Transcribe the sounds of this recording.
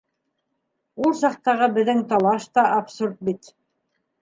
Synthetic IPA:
ulˠsɑq̚t̪ɑʁɤbɘ̆ðɘŋt̪ɑlˠɑʃt̪ɑʔapsuɾt̪̚bit̪

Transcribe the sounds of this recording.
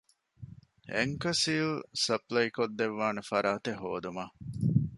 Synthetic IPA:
ḛŋkɐsiːlsɐplɐjkod̪ːeʋːaːnɐfɐɾaːt̪eɦoːd̪uma

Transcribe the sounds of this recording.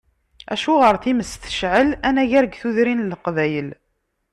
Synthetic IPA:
æ̰ʃuʁəɾθiməst̪ə̥ʃʕəlænæʝæɾɡθuðɾinləqvæjəl

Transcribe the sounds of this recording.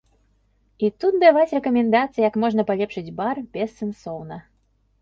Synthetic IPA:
it̪ut̪̚d̪avat͡sʲrɛkɐmʲɛnd̪at̪sɨjjɐkmɔʐnɐpalʲɛpʂɨd͡zʲbarbʲɛsːɛnsɔwnɐ

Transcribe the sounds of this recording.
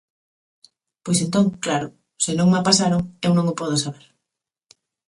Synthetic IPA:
pojsent̪oŋklaɾo | sɪnõŋmapasaɾoŋewnõŋopɔð̞osaβ̞eɾ

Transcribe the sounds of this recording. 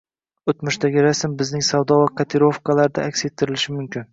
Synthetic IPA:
ɵt̪mʊʃt̪aɡʲɪɾasɪmbɪznɪŋsavd̪ɒvaqʰɑt̪ʰeɾo̞fkʰalaɾd̪aʔakʲset̪ʰːɪɾɪlɪʃɪmʊmkʲʰɪn

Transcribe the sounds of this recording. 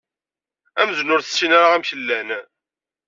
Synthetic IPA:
æmznʊɾθə̥sːinaɾaʁæmçəlːæn

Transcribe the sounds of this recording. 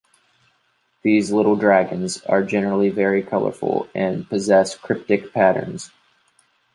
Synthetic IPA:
ðizlɪɾl̩ˠdɹæɡɨ̃nzə̰˞d͡ʒɛnə˞l̩ˠivɛɹikʰʌlˠə̰˞fl̩ˠɨ̃npɨzɛskʰɹ̥ɪp̚tɨk̚pʰæɾə̰̃˞nz̥

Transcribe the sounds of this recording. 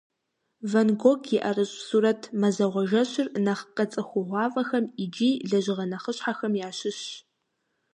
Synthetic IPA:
vɐnɡʷoɡʰjɪʔɐrɨɕʼsuːɾɐtʰmɐzɐʁʷɔʒɐɕɪrnɐχqɐt͡sʼɨxʷʊʁʷɑːvɐxɐmid͡ʒiːɮɐʑɪʁɐnɐχəɕħaxɐmjaːɕɪɕ

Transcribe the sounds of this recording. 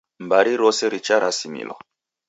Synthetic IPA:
mbaɾiɾɔsɛɾit͡ʃaɾasimḭlɔ̰

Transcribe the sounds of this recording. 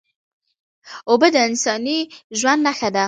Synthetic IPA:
obəd̪əɪnsɑniʒwand̪naxad̪a

